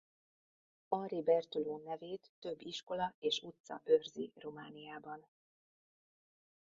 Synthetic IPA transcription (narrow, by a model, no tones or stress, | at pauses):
ɒribɛrt̪uloːnɛveːt̪ːø̞bːiʃko̞lɒeːʃut̪sɒ̰ʔørziromaːnijaːbɒn